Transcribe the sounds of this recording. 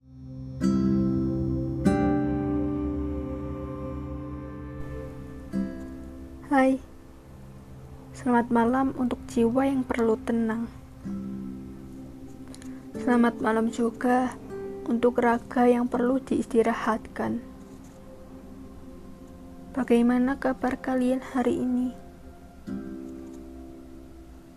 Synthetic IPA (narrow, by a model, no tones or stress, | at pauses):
haj | səlamat̪̚malamunt̪ʊk̚d͡ʒ̥iwajaŋpərlut̪ənaŋ | səlamat̪̚malam̥d͡ʒuɡ̥a̤ | unt̪ʊkraɡ̥a̤jaŋpərlud̪̥iist̪iɾahat̪̚kan | b̥a̤ɡ̥ajmanakab̥arkalianhaɾiʔini